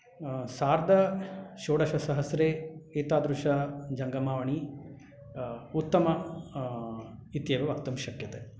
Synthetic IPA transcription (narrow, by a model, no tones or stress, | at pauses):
saːɾd̪ʱɐʃoːɽɐʃɐsɐɦɐsɾeːeːt̪aːd̪ɾuʃɐd͡ʒɐŋɡɐmaːʋɐɳi | ut̪ːɐmɐ | it̪jɐʋeʋɐk̚t̪ɐmʃɐkjɐt̪e